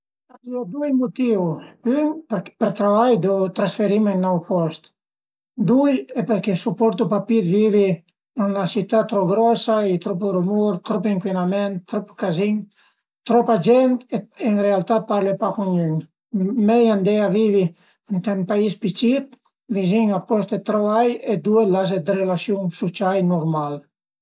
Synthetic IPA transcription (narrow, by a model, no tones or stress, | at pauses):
aziɔd̪ujmɔt̪ivuynppəɾt̪ɾavajd̪ɔt̪ɾãnsfɛɾimɛnːaupɔst̪ | d̪ujɛpəɾkɛsupɔɾt̪upapiɾvivi | unasit̪at̪ːɾɔɡɾɔsait̪ɾɔp̬əɾumuɾt̪ɾɔp̬iŋkwinamɛnt̪ːɾɔpkaziɲ | t̪ɾɔpad͡ʒɛnt̪ɛɛnɾɛalˠt̪apaɾlɛpakɔɲyɲ | mɛjand̪ɛjavivi | nt̪ɛmpaispit͡ʃit̪̚ | viziɲɡapɔst̪ɛt̪ɾɔajɛd̪uɛlas̬ɛd̪əɾɛlasjunsut͡ʃajnɔɾmal